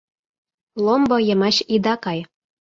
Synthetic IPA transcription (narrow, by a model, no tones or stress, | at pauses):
lˠombɤ̆jɤ̆mɑɕid̪ɑkɑj